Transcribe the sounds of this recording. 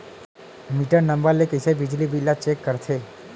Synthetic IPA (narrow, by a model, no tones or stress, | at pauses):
miʈəɾnəmbəɾlekəsebid͡ʒlibilːat͡ʃekːəɾt̪ʰe